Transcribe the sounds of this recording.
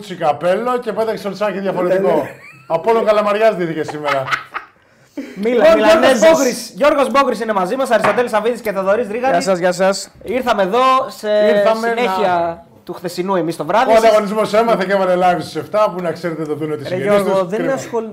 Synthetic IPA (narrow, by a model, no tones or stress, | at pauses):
t͡sikɐpe̞lo̞ce̞peðɐkseoɾsɐkiðʝɐfoɾe̞t̪ikoɐpoloŋɡɐlɐmɐɾʝɐzðiθice̞simeɾɐ | miooɾozbokɾisʝo̞ɾɣo̞zbo̞kɾisine̞mɐzimɐsɐɾist̪o̞t̪elisɐviðisceθoðoɾizɾiɣɐɐsɐzʝɐsɐsiɾθɐmeðo̞seɐmne̞çiɐ | t̪uxθe̞sinue̞mist̪o̞vɾɐðioɐnd̪ɐɣo̞nizmosemɐθecevɐnelɐvst̪seft̪ɐpunɐkse̞ɾet̪et̪oðuneot̪issɾɣoðenɐso